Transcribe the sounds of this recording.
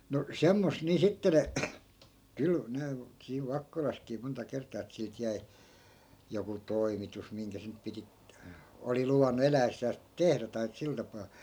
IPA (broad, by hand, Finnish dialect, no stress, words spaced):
no semːos niː sitːe ne kyl ne siːʋ ʋɑkːolɑskiː montɑ kertˑɑː et silt jæi̯ joku toimitus miŋkæ se nyp̆ piti oli luʋɑnːu elæesːæːs tehræ tɑi sil tɑpɑː